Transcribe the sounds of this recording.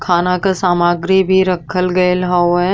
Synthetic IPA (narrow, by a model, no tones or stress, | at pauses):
kʰaːnakasaːmaːɡɾibʱiɾɐkʰəlɡɐelɦɐwɛ̃